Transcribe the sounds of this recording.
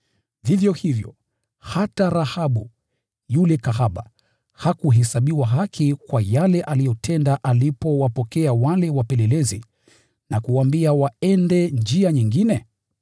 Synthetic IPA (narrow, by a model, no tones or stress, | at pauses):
vivjɔhivjɔ̰ | hataɾahaɓu | julɛkaɦaɓa̰ | hakuɦɛsaɓiwaɦakikwajalɛʔalijɔtʰɛndaʔalipɔwapɔkɛawalɛwapɛlɛlɛzi | nakuwambiawaɛndɛnd͡ʒiaɲiŋɡinɛ